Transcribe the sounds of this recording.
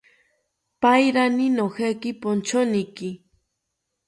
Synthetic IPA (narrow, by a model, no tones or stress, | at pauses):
pajɾaninoxakɪpont͡ʃonikɪ